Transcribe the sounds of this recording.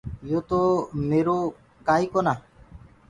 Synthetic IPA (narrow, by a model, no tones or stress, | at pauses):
ijot̪ɔmeɾo | kajkɔna